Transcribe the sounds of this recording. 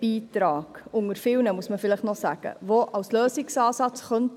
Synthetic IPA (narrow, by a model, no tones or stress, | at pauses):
iːtɾɑːɡ̥ʊŋəɾfɪlnəmuəsməfɪləχtnɔsæɡ̥ə̰ʋoʔɑwsløːsɪksɑːsɑt͡sχœnt